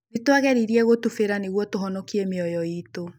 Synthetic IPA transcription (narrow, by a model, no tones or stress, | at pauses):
netwaɣɛɾiɾiɛɣotufeɾaneɣwɔtoɦɔnɔkiɛmeɔjɔito